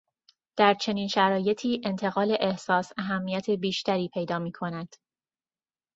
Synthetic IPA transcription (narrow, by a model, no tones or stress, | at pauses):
d̪̥æɾt͡ʃʰe̞niːnʃæɾɒːje̞t̪ʰiːʔe̞nt̪ʰe̞ɣɒːle̞ʔehsɒːsæɦæmːijæt̪ʰe̞biːʃt̪ʰæɾiːpʰe̞jd̪ɒːmiːkʰo̞næd̪̥